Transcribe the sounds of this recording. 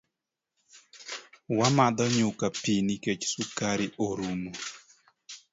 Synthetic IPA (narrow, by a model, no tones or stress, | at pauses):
wamad̪ɔɲʊkapiniket͡ʃsukaɾɪʔoɾumo